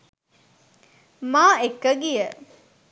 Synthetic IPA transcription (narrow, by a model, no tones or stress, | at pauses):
maːekːəɡijə